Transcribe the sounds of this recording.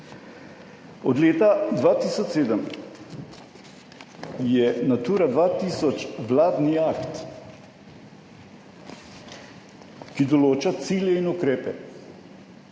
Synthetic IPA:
ɔd̪leːt̪ad̪ʋaːt̪iːsɔt͡ʃseːd̪əm | jɛnat̪uːɾad̪ʋaːt̪iːsɔt͡ʃʋlaːd̪niakt̪ | kid̪ɔloːt͡ʃat̪siːljɛinukɾeːpɛ̰

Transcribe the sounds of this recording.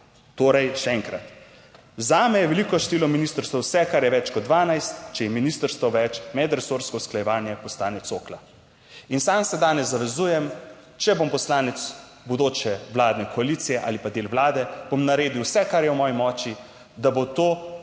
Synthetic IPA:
t̪oːɾɛjʃɛɛŋkɾat̪ | zaːmɛjɛʋɛlikɔʃt̪iːlɔminiːst̪əɾst̪ʋɐwsɛkaɾjɛʋɛt͡ʃkɔd̪̚d̪ʋaːnajst̪t͡ʃɛjɛminist̪əɾst̪ʋɔʋɛt͡ʃmɛd̪ɾɛsoɾskɔusklajɛʋaːnjɛpɔslaːnɛt̪soːkla | insamsɛd̪aːnɛzːaʋɛzuːjɛm | t͡ʃɛbompɔslaːnɛt̪s | bod̪oːt͡ʃɛwlaːd̪nɛkʰɔaliːt̪sijɛʔa̰ːlipad̪eːlwlaːd̪ɛb̥omnaɾeːd̪iwsɛkaɾjɛwmɔːjimɔːt͡ʃi | d̪abot̪o

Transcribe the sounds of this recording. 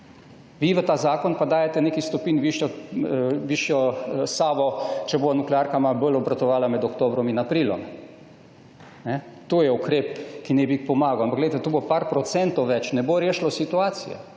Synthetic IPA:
ʋiʋət̪aːzaːkɔnpad̪aːjɛt̪ɛneːkist̪ɔpinʋiʃjɔ | ʋiʃjɔsaːʋɔt͡ʃɛboːnuklaɾkamabəlɔbɾat̪ɔʋaːlamɛd̪ɔkt̪oːbɾɔminapɾiːlɔ̰m | nɛ | t̪oːjɛukɾepkinɛbiixpɔmaːɡawampaɡlejt̪ɛt̪oːbopaɾpɾɔt̪sɛnt̪ɔwʋɛt͡ʃnɛboɾeːʃlɔsit̪uaːt̪sijɛ̰

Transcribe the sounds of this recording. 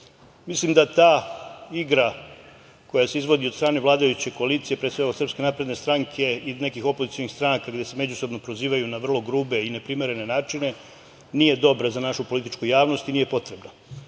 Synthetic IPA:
mislimd̪at̪aːiɡɾa | ko̞jase̞izʋo̞d̪iost̪ɾaːne̞ʋlˠaːd̪ajut͡ɕe̞ko̞aliːt̪sije̞pɾesʋe̞ɡasɾr̩pske̞napɾe̞d̪ne̞st̪ɾaŋkʰe̞ine̞kixo̞po̞zit̪sio̞nixst̪ɾanakaɡd̪e̞se̞me̞d͡ʑuso̞bno̞pɾo̞ziːʋajunaʋr̩lˠo̞ɡɾuːbe̞ine̞pɾime̞ɾe̞ne̞naːt͡ʃine̞ | nije̞d̪o̞bɾazanaʃupo̞lit̪it͡ʃkujaːʋno̞st̪iniːje̞po̞t̪ɾe̞bna

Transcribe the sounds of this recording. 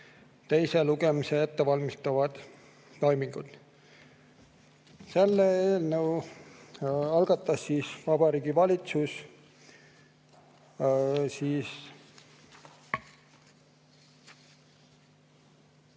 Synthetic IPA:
t̪ejse̞luɡ̥e̞mise̞et̪ːevɑlmist̪ɑvɑd̪̥ | t̪ojmiŋɡ̥ud̪ | se̞lːeeːlnəw | ɑlɡ̥ɑt̪ːˑɑsːiːsvɑb̥ɑɾiːɡivɑlʲit̪sus | siːs

